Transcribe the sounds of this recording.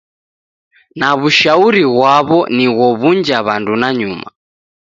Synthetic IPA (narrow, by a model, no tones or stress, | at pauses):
naβuʃauɾiɣwaβɔniɣɔβund͡ʒaβandunaɲuma